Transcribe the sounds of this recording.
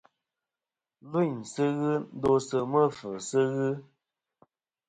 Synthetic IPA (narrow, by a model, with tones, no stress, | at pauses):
lu˦˨ɲsɨ˦ɣɨ˦n̩˦do˦sɨ˦mə˦˨fə˨sɨ˦ɣɨ˦